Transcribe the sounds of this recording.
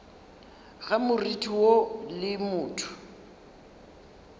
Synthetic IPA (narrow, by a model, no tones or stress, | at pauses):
ɣamʊritʰiwolɪmʊːtʰʊ̥